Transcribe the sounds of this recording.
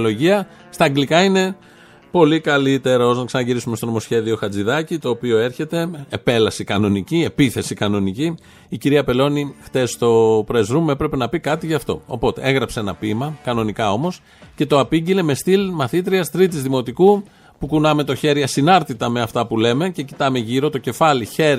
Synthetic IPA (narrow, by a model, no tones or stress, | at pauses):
lo̞ʝiɐ | st̪ɐːɡlikɐine̞ | po̞likɐlit̪e̞ɾɐo̞znɐksɐnɐʝiɾisumest̪o̞no̞mo̞sçe̞ðio̞xɐd͡ziðɐcit̪o̞ːpio̞e̞ɾçe̞t̪e̞epe̞lɐsikɐno̞nicie̞piθe̞sikɐno̞niciː | ciɾiɐpe̞lo̞nixt̪e̞st̪o̞pɾe̞zɾume̞pɾe̞pe̞nɐpikɐt̪iʝɐft̪o̞̰o̞̰po̞t̪e̞̰e̞ɣɾɐpsenɐpimɐkɐno̞nikɐo̞mo̞s | ce̞t̪o̞ɐpiɟile̞me̞st̪ilmɐθit̪ɾiɐst̪ɾit̪̬izðimo̞t̪iku | pukunɐme̞t̪o̞çe̞ɾiɐsinɐɾt̪it̪ɐme̞ɐft̪ɐpule̞me̞ce̞ci̥t̪ɐme̞ʝiɾo̞t̪o̞ce̞fɐliçe̞ɾ